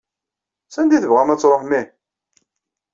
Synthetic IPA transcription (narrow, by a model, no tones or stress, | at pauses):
sænd̪iθəvʁæmæt͡sːɾˤoħnːi